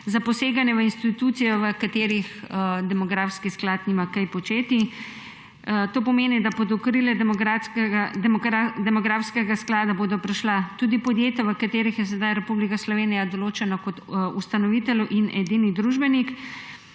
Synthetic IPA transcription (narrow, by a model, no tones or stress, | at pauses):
zapɔseːɡanjɛʋəinst̪it̪ut̪sijɔʋəkat̪eːɾixd̪ɛmɔɡɾaːfskisklat̪nimakajpɔt͡ʃeːt̪i | t̪oːpɔmeːnid̪abod̪ɔkɾilɛd̪a | d̪ɛmɔɡɾaːfskɛɡasklaːd̪aboːd̪ɔpɾɛʃlat̪ud̪ipɔd̪jeːt̪jaʋəkat̪eːɾixjɛs̬ɛd̪ajɾɛpublikaslɔʋeːnijad̪ɔloːt͡ʃɛnakɔt̪ust̪anɔʋit̪ɛluʔinʔɛd̪inid̪ɾuʒbɛnik